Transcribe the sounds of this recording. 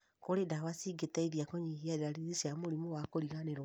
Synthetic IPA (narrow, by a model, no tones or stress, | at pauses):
koɾedawasiɡetɛiðjakɔɲiɦiaɾeɾaɾiðisjamoɾimowakoɾiɣaneɾ